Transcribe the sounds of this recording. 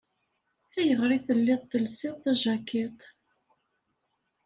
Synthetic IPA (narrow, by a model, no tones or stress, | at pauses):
æjəʁɾiθəlːɪðˤθəlsiðˤθæʒækːæt̪